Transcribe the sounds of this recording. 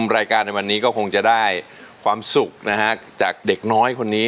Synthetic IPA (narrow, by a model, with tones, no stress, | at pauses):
mɾaː˧jkaː˧nːa˧jwa˧nːiː˦˥kɔː˥˩kʰo˧ŋt͡ɕa˨˩daː˥˩j | kʰwaː˧msu˨˩k̚na˦˥kʰa˦˥t͡ɕaː˨˩k̚de˨˩k̚nɔː˦˥jkʰo˧nːiː˦˥